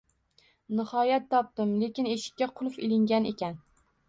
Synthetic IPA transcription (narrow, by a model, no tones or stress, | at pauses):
nɪhɒjat̪ʰːɒp̚t̪ɪmle̞kʲɪne̞ʃɪ̥kʲːaqʰʊlˠfɪlɪŋɡʲane̞̰kʲan